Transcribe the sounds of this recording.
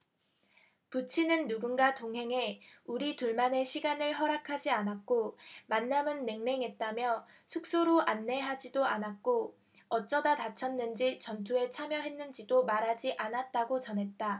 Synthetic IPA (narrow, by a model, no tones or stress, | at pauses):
kut͡ɕʰinɯnːuɡunɡatoŋɦe̞ŋe̞uɾituɭmane̞ɕʰiɡanɯɭɦʌɾakʰad͡ʑianak̚k͈omanːamɯnːe̞ŋne̞ŋɦe̞t̚t͈amjʌ | sʰuk̚s͈oɾoʔanːe̞ɦad͡ʑidoanak͈o | ʌt͡ɕ͈ʌdatat͡ɕʰʌnːɯnd͡ʑit͡ɕʌntʰue̞t͡ɕʰamjʌɦe̞nːɯnd͡ʑidomaɾɦad͡ʑiʔanat̚t͈aɡot͡ɕʌnɦe̞t̚t͈a